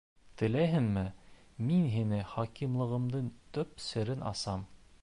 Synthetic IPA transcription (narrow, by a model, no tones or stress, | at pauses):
t̪ɘ̆læjɦɘnmɘminɦinɘχɑkimlˠɤ̆ʁɤ̆md̪ɤnt̪ɵp̚sɘ̆ɾɘnʔɑ̰sɑm